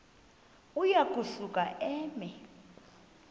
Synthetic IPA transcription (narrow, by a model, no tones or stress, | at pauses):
ujakʼuɬukʼaʔɛːmɛ